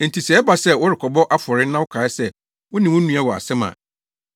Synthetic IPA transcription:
n̩˨tʰi˨sɛ˨ɛ˦ba˨sɛ˦˨wʊ˦ɾɪ˨kʰɔ˨bɔ˦ʔa˦fɔ˨ɾɪ˦nã˦wʊ˦kʰa˨ɛ˦sɛ˦ | wʊ̃˦nĩ˨wʊ̃˦nũ˦ã˦wɔ˨a̰˨sɛ̃˦mã̰˨

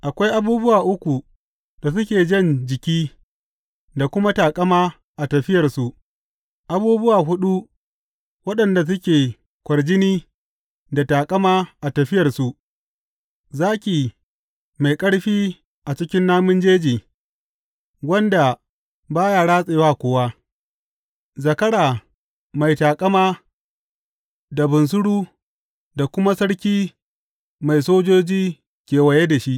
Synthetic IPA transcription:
ʔa˨kʷa˦jʔa˦buː˦bʊ˦waː˨ʔʊ˦kʷu˨ | d̥a˨s̬ʊ˦kʲeː˨d͡ʒɐ˦nd͡ʒɪ˨kʲiː˦ | da˨kʷʊ˦ma˦taː˨kʼɐ˦maː˦ | ʔa˨tɐ˨ɸɪ˦jɐ˨rsu˨ʔ | ʔa˨buː˦bʊ˦waː˨ɦʊ˦ɗu˦ | wɐ˦ɗɐ˨nda˨s̬ʊ˦kʲeː˨ | kʷɐ˨rd͡ʒɪ˦niː˦ | da˨taː˨kʼɐ˦maː˦ʔa˨tɐ˨ɸɪ˦jɐ˨rsu˨ʔ | zaː˦kʲiː˨ | ma˨jkʼɐ˦ɽɸiː˦ | ʔa˨t͡ʃɪ˦kʲɪ˦nːaː˦mʊ˦nd͡ʒeː˦d͡ʒiː˨ | wɐ˦nda˨ | baː˦jaː˨ɽaː˦sʼeː˨waː˦kʷoː˦wa˦ | zɐ˨kɐ˦ɽaː˨ | ma˨jtaː˨kʼɐ˦maː˦ | da˨bʊ˨ns̬ʊ˦ɽuː˦ | da˨kʷʊ˦ma˦sɐ˦ɽkʲiː˦ | ma˨jsoː˦d͡ʒoː˦d͡ʒiː˦ | kʲeː˨wɐ˨je˦da˨ʃi˦ʔ

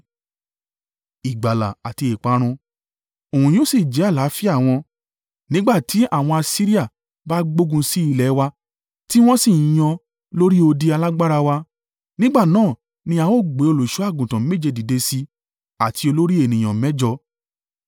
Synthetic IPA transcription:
i˨ɡ͡ba˨la̰˨a˨ti˧e˨k͡pa˨˦ɾ̃ũ˧ | o˨hũ˨j̃o˦si˦˨d͡ʒɛ˨˦a˦˨la˨˦fi˦a˦˨w̃ɔ̃˧ | nĩ˦ɡ͡ba˦˨tʰi˨˦a˦˨w̃ɔ̃˧a˧si˦ɾi˦a˦˨ | ba˦ɡ͡bo˦ɡũ˧si˦i˧˦lɛ˨˦wa˧ | ti˦w̃ɔ̃˦sĩ˦˨j̃ɔ̃˧ | lo˦ɾi˦o˧di˦a˧la˦ɡ͡ba˦ɾa˧wa˧ | nĩ˦ɡ͡ba˦˨nãː˦˨ | nĩ˧˦a˨˧wo˦˨ɡ͡be˨˦o˧lo˨ʃu˨˦a˦˨ɡũ˨tã˨˦me˦˨d͡ʒe˧di˨de˧si˧ | a˨tʰi˧o˧lo˦ɾi˦e˦˨nĩ˨j̃ɔ̃˨mɛ˦d͡ʒɔ˧

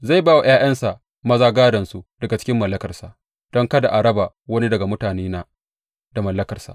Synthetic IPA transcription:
za˦˨jbaː˦wa˨j̰aː˦j̰ɐ˦nsa˨ʔ | mɐ˦zaː˦ɡaː˦dɐ˨nsu˨d̥ɐ˨ɡa˨t͡ʃɪ̥˦kʲɪ˦mːɐ˨lːɐ˦kɐ˨rsa˨ʔ | d̥ɔ˦ŋkɐ˦da˨ʔa˨ɾɐ˦baː˨ | wɐ˦ni˦dɐ˨ɡa˨mʊ˦taː˨neː˦na˦ | da˨mɐ˨lːɐ˦kɐ˨rsa̰˨ʔ

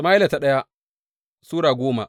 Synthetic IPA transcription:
maː˦ɪ˦la˨ta˨ɗɐ˦ja˦ | suː˦ɽaː˨ɡʷoː˦ma̰˨ʔ

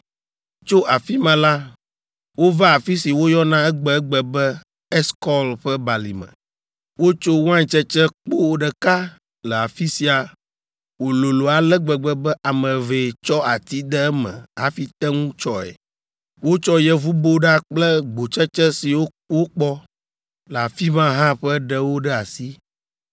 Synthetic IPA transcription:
t͡ʃo˦ʔa˨fi˦mə̃˨la˦ | wo˦va˦a˨fi˦si˨wo˦jɔ˦nã˦ɛ˦ɡ͡bɛ˨ɛ˦ɡ͡bɛ˨bɛ˦ | ɛ˦skɔ˦lɸə˦ba˨lḭ˨mə̰̃˨ | wo˦t͡ʃo˦wã˦ɲ˨t͡ʃɛ˦t͡ʃɛ˦k͡po˦wo˨ɖə˨ka˦ | lɛ˨a˨fi˦si˨a˨ | wo˨lo˨lo˨a˨lɛ˦ɡ͡bɛ˨ɡ͡bɛ˨bɛ˦ʔa˨mə̃˨ve˨t͡ʃɔ˦a˨t̪i˦d̪ɛ˦ɛ˦mɛ̰̃˨ɦa˨fi˦t̪ɛ˦ŋũ˦t͡ʃɔ˦ɛ̰˨ | wo˦t͡ʃɔ˦jɛ˦vu˦bo˦ɖa˦k͡plɛ˦ɡ͡bo˨t͡ʃɛ˦t͡ʃɛ˦si˨wo˦ | wo˦k͡pɔ˦ | lɛ˨a˨fi˦mã˦ɦã˦ɸɛ˦ɖɛ˦wo˦ɖɛ˦a˨si˦

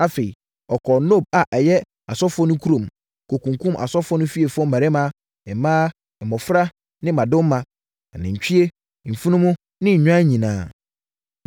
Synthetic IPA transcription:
a˨fe˨i˨ | ɔ˨kʰɔ˨no˦˨b̚a˨ʔɛ˨jɛ˦ | a˨sɔ˦fɔ˦nʊ̃˦kʰu˦ɾõ˨m | kʰo˨kũ˨ŋ˨kʰũ˦mʔa̰˨sɔ˦fɔ˦nʊ̃˦fi˦e˨fʊ˦ɔ˦m̩˦ma˨ɾɪ˦mã˦ | ɛ˨mãː˦˨ | mɔ˨fɾa˦ | nɪ̃˦mã˨dʊ̃˦mː˦ã˨ | nɪ̃˨ɲ̩˨t͡ɕᶣi˦e˦ | m̩˨fi˦nʊ̃˦mʊ̃˦ | nɪ̃˦ɲ̩˨ɲᶣ˦ã˦ɲĩ˨nãː˨˦

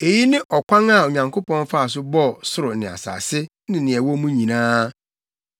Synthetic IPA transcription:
e˨ji˦nɪ̃˦ʔɔ˨kʰʷã˦ŋa˨o˨ɲã˨ŋkʰo˦pɔ̃˦n˦fa˦a˨s̬ʊ˦bɔ˦˨sʊ˦ɾʊ˨nɪ̃˨a̰˨sa̰ː˨sɪ˦ | nɪ̃˨nɪ̃˨ɛ˨wɔ˦mũ˦ɲĩ˨nãː˦

